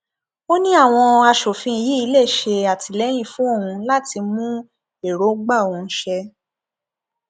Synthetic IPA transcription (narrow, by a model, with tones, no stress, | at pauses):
o˦nĩ˦a˦˨w̃ɔ̃˧a˧ʃo˨fĩ˧i˧ji˨˦i˧le˦˨ʃe˧a˨ti˧lɛ˨˦j̃ĩ˦˨fũ˦o˦˨ũ˧la˦ti˧mũ˦ | e˦˨ɾo˨˦ɡ͡ba˦˨o˨ũ˧˦ʃɛ˧